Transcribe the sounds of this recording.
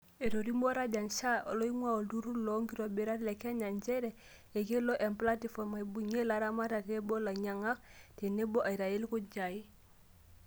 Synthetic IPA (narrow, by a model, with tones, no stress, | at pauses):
e˨ɾo˨ɾi˦mbɔ˦ɾa˦d͡ʒa˨nʃa˦o˨lɔ˦i˦ŋwa˦˨o˨ldu˦ɾu˦lɔ˦ŋɡi˦ɾo˨be˨˦ɾa˦ɾle˨ka˦ɲa˨ɲt͡ʃɛ˦ɾe˨ | e˨ke˦lɔ˦ʔe˨mpla˦ti˦fɔ˨ma˨i˨bu˨ɲe˦la˨˦ɾa˦ma˦ta˨te˦bɔ˦la˨ɲa˨ŋa˦kte˨ne˦bɔ˦ʔa˨i˨ɾa˨e˦lku˦d͡ʒa˨i˦